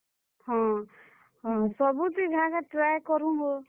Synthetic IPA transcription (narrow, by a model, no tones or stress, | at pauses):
hɔ̃ | ɦɔ̃sɔbut̪iɡʱãkaʈɾajkɔɾũɦo